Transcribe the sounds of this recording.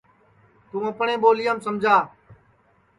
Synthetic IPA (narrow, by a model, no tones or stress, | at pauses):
t̪ũːəpɳẽːɓoːlɪjəːmsəmd͡ʒʱaː